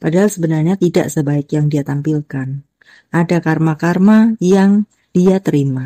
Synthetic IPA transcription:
padaɦalsəbənarɲat̪ida̰ʔsəbaɪkjaŋdiat̪ampilkan | ʔadakarmakarmajaŋ | d̥iat̪əɾima

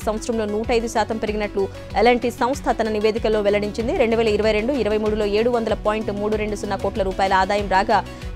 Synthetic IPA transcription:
sɐ̃mʋɐt̪sɾɐmlo̞ːnuːʈɐjd̪uʃaːt̪ɐmpeɾiɡinɐʈlu | elɐɳʈisɐ̃m̃st̪ʰɐt̪ɐnɐniʋeːd̪ikɐlːo̞ːʋɛlɐɽiɲt͡ʃind̪iɾe̞ɳɖuʋɛːlɐiɾɐʋɐjɾe̞ɳɖuiɾɐʋɐjmuːɽulo̞ːeːɽuʋɐnd̪ɐlɐpaːjiɳʈmuːɽuɾe̞ɳɖusunːɐkoːʈlɐɾuːpaːjɐlɐaːd̪aːjɐmɾaːɡaː

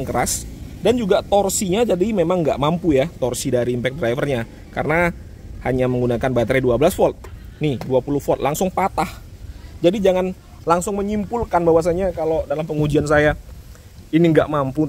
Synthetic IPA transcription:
ŋkəɾasdand͡ʒuɡat̪ɔrsiɲad͡ʒadimemaŋɡaʔmampujat̪ɔrsidaɾiːmpɛk̪̚dɾajfərɲa | ka̰rəna | ha̰ɲaməŋɡunakanbat̪ɾeduabəlasfɔt̪̚nihduapulʊhfɔt̪̚laŋsʊŋpat̪ahd͡ʒadid͡ʒaŋan | laŋsʊŋməɲimpulkanbawas̬aɲakalodalampəŋud͡ʒians̬aja | iniŋɡaʔmampu

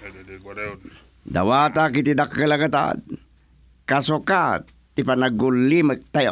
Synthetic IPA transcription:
d̪a̰wat̪akit̪id̪akːəlaɡat̪a̰ | kasoka | t̪ipanaɡulːimək̚t̪aj

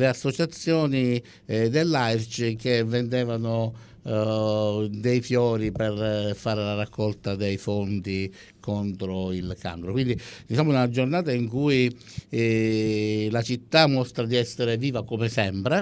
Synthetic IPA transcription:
leasːot͡ʃat̪sːjɔːni | d̪elːajrt͡ʃk̟evːend̪ɛːvano | d̪ejfjɔːɾipɛrfaːɾelarakʰːɔlt̪ad̪ejfont̪i | kont̪ɾoilka̰ŋkɾokwind̪id̪it͡ʃaːmːʊunad͡ʒornaːt̪aiŋkui | lat͡ʃit̪ːamːɔst̪ɾad̪iɛsːeɾeviːvakomesɛmpɾe

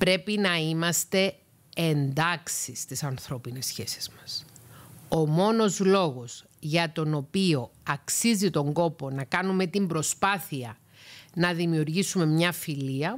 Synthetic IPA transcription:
pɾe̞pinɐimɐst̪e̞ː | nd̪ɐksist̪isɐnθɾo̞pine̞sçe̞si̥z̥mɐs | o̞mo̞no̞zlo̞ɣo̞s | ʝɐt̪o̞no̞pio̞ɐksizit̪o̞ŋɡo̞po̞nɐkɐnume̞t̪imbɾo̞spɐθiɐ | nɐðimiuɾʝisume̞mɲɐfiliɐ

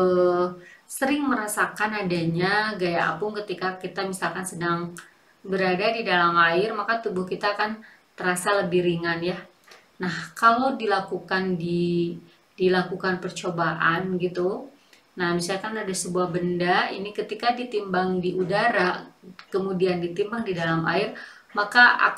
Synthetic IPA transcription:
ə | səɾɪŋməɾasakanadaɲaɡajaʔa̰pʊŋkət̪ikakit̪amisalkansədaŋ | bəɾadadidalamaɪrmakat̪ubʊhkit̪akan | t̪əɾasaləbihɾiŋanja | nahkalowdilakukandi | dilakukanpərt͡ʃobaʔanɡit̪u | nahmisalkanadasəbuahbəndaḭnikət̪ikadit̪imbaŋdiʔudaɾakəmudiandit̪imbaŋdidalama̰ɪr | makaa̰

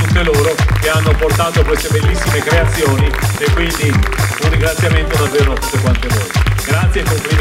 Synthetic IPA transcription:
nt̪eloːɾokeanːoport̪aːt̪okwest̪ebelːisːimekɾeat̪sːjoːniekːwind̪iunrːiŋɡɾat̪sːjament̪od̪avːeːɾosekwant̪evoːɾeɡɾat̪sːjekːompli

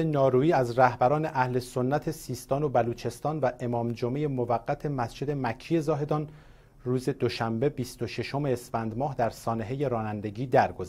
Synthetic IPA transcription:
enɒːɾuːiːæzræhbæɾɒːne̞ʔæhle̞so̞nːæt̪ʰe̞siːst̪ɒːnobæluːt͡ʃʰe̞st̪ɒːnvæʔe̞mɒːmd͡ʒomejemovæɡːæt̪ʰe̞mæsd͡ʒe̞d̪e̞mæcʰːije̞zɒːɦe̞d̪ɒːn | ruːze̞d̪oʃæmbe̞biːst̪oʃe̞ʃo̞me̞ːsfænd̪mɒːɦd̪æɾsɒːne̞ɦe̞je̞ɾɒːnænd̪e̞ɟiːd̪æɾɡoz

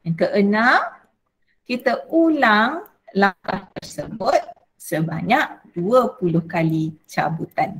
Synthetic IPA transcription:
jaŋkəʔənaŋ | kit̪əulaŋ | lakaht̪ərsəbʊt̪̚ | səba̰ɲak̚d̥uəpulʊhkalit͡ʃa̰but̪an

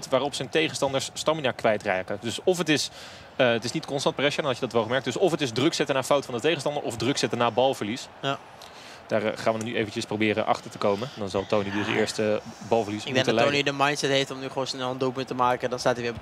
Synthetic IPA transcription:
tʋaːrɔpsəntejχənstɑndəɹsːtɑminaːkʋɛjtrɛːkədɵsɔfətɪs | əətɪsnitkɔnstɑntprɛʃadɑnɦɑtjədɑtʋɛlˠχəmɛɹk̚d̥ɵsɔfətɪzdrɵksɛtənaːfawtfɑndətejχəstɑndəɹʔɔvdrɵksɛtənaːbɑlˠvəɹlisj | d̥aːrχaːnʋənnyʔḛjvənt͡ʃəsprowbɪːɾə̰nʔɑ̰χtəɹtə̥kowmənndɑnzɑlˠtownidɪsɪ̰ːɹstəbɑlˠvəɹlismdɛŋdtəlonidəmɑjntsɛtɦejftɔmnyχonsnɛlˠəndupməntəmaːkədɑnstaːtiʋɪː

